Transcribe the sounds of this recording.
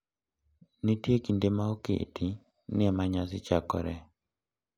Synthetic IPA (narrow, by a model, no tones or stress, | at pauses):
nɪtjekindemaokḛtʰi | nɪɛmaɲasɪt͡ʃakɔ̰ɾɛ